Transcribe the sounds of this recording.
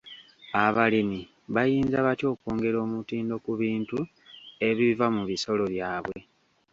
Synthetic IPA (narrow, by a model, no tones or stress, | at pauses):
aβalini | βajiːnzaβatjo̞ːkoːŋɡe̞ɾo̞ːmutiːndo̞kuβiːntu | e̞βivamuβiso̞lo̞βjaːβwe̞̰